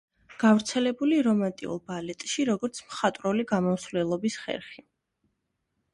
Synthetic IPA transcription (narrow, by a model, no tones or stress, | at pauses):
ɡ̥avɾt̪sʰɛlɛbuliɾɔmant̪ʼḭṵlˠbalɛt̪ʼʃiɾɔɡɔɾt̪sʰmχat̪ʼɾuliɡamɔmsvlɛlˠɔbisχɛ̰ɾχi